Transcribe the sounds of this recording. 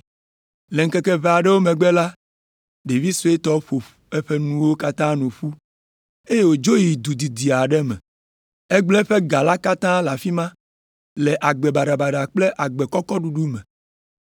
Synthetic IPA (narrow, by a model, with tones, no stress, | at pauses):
le˨ŋ̩˦kɛ˦kɛ˦ve˨a˨ɖɛ˦wo˦mɛ̃˨ɡ͡bɛ˦la˦ | ɖe˨vi˦so˦e˦t̪ɔ˦ɸo˨fɛ˦ɸe˦nũ˦wo˦ka˦t̪ã˦nũ˨ɸu˦ | e˦je˦wo˨d͡ʒo˦ji˨d̪u˨d̪i˨d̪i˨a˨ɖɛ˦mɛ̰̃˨ | e˦ɡ͡blɛ˦ɸe˦ɡa˨la˦ka˦t̪ã˦la˨fi˦mã˦ | lɛ˨ʔa˨ɡ͡bɛ˨ba˨ɖa˨ba˨ɖa˨k͡ple˦ʔa˨ɡ͡be˨kɔ˦kɔ˦ɖu˨ɖu˦mɛ˨